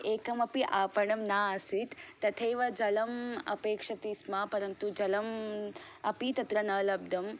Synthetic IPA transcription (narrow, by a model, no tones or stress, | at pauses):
eːkɐmɐpiʔaːpɐɳɐmnaːɐsit̪ːɐt̪ʰejʋɐd͡ʒɐlɐmɐ̰peːkʂɐt̪iːsmapɐɾɐnt̪ud͡ʒɐlɐm | ɐpit̪ɐt̪ɾɐnɐːlɐb̚d̪ʱɐm